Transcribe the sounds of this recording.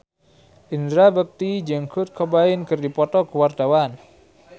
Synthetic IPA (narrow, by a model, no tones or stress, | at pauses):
ʔind̪ɾabək̚t̪id͡ʒəŋkʊt̪̚kʰɔbaɪnkɨrdipɔt̪ɔkəward̪awan